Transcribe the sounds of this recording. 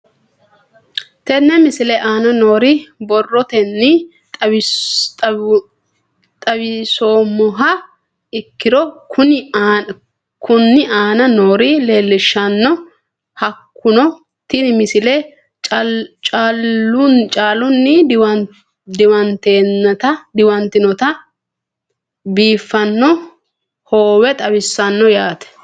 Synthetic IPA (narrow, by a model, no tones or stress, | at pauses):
t̪ɛnːɛmɪsɪlɛʔaːnɐno̞ːɾɪbɔrːɔt̪ɛnːɪ | t̪ʼɐbɪsoːmːɔɦɐ | ɪkːɪɾɔkʊn | kʊnːɪaːnɐnoːɾɪle̞ːlːɪʃːɐnːɔ | hɐkːʊnɔ | t̪ːɪnmɪsɪle | t͡ʃʼaːlːʊnt͡ʃʼaːlʊnːɪw | d̪ɪwɐnt̪eːnːɐt̪ɐd̪ɪwɐnt̪ɪnɔt̪ɐ | biːfːɐnːɔ | hoːwɛt̪ʼɐwɪsːɐnːɔjaːt̪ɛ̥